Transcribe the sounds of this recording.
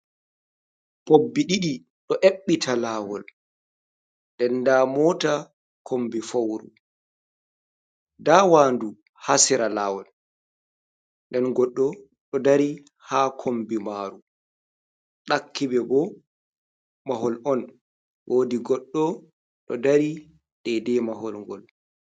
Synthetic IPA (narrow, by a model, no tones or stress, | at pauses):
pobːiɗiɗi | ɗɔʔeɓːitʰalaːwɔ̰l | ndɛndaːmɔːta | kʰombifowɾṵ | dawandu | hasiɾalaːwɔl | ndɛnɡɔɗːɔ | ɗɔdaɾi | hakʰombimaːɾu | ɗakʰːibɛbɔ | maɦɔlɔn | woːdiɡɔɗːɔ | ɗɔ̰daɾi | ɗɛdɛmahɔlŋɡɔl